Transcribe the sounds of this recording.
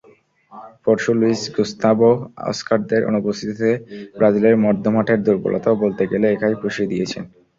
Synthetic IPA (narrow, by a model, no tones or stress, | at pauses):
foɾʃuluisɡust̪aboɔ̰skaɾd̪eɾʔo̰nubost̪ʰit̪ot̪ebɾad͡ʑileɾmɔɾd̪ʱːomaʈʰeɾd̪uɾbo̰lʔo̰t̪aobolt̪eɡeleekʰajpɾuʃid̪iet͡ɕʰen